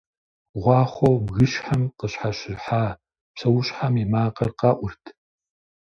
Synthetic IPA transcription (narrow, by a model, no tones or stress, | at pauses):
ʁʷɑːχʷobɣɨʃħamqəɕħaɕɪrħaː | psʰɐwʊɕħamimaːqɐrqɑːʔʷʊrtʰ